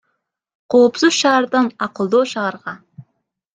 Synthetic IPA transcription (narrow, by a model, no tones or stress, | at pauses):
qʰo̞ːpsuz̥ʃɑːɾd̪ɑnɑqɯlˠd̪oːʃɑːɾʁɑ